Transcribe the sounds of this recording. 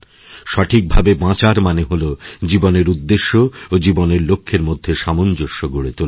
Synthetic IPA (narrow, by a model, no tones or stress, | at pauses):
ʃɔʈʰik̚bʱabebãt͡ɕaɾmaneɦolod͡ʑiboneɾud̪ːeʃːood͡ʑiboneɾlokʰːeɾmod̪ʱːeʃamond͡ʑoʃːoɡoɽet̪ol